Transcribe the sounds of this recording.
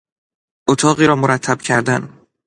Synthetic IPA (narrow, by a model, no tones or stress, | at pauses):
ʔot̪ʰɒːɣiːɾɒːmoɾæt̪ʰːæb̥cʰæɾd̪æn